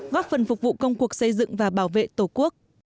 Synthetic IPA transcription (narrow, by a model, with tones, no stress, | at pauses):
ɣɔː˦˥p̚fə˨˩nfʊ˨˩k͡p̚vṵ˧˨kə˧wŋ͡mku˨˩ək̚sə˧jzɨ̰˧˨ŋvaː˨˩ɓaː˧˩wvḛ˧˨t̪o˧˩ku˦˥ək̚